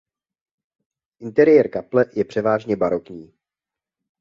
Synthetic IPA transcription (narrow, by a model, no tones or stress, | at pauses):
ʔɪnt̪ɛɾɪjɛɾkaplɛjɛpr̝̥ɛvaːʒɲɛbaɾokɲiː